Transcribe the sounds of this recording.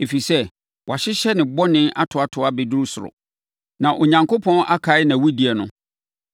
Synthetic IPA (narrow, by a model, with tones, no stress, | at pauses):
e˨fi˨sɛ˦ | wa˨ɕɪ˦ɕɛ˦nɪ̃˨bɔ˦nɪ̃˦na˦tʰʊ˨a˦˨tʰʊ˨a˦be˨du˦ɾu˦sʊ˨ʊ̰˨ | nã˨ʔo˨ɲã˨ŋkʰo˦pʰɔ̃˦na˦kʰa˨˦ɪ˦nã˨wu˦di˨ɛ˨nʊ̰̃˦